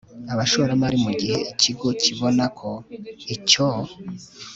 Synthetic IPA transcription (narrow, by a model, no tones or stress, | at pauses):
aβaʃoɾamaɾimuɟihe̞iciɡo̞ciβo̞nakʰoico